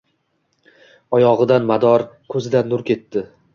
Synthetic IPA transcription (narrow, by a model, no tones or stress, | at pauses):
ɒjɒʁɨd̪anmad̪ɒɾkʰɵzɪd̪anːʊɾkʲʰe̞t̪ːɪ